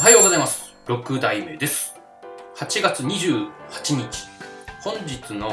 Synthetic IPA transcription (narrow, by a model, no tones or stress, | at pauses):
ɦajoːɡo̞zaimasɨ̥ | ɾo̞kɯ̟d̪aime̞d̪e̞sɨ̥ | hat͡ɕiɡat͡sɨɲ̟iʑɨːhḁt͡ɕiɲ̟it͡ɕi̥hõ̞ɲ̟d͡ʑit͡sɨno̞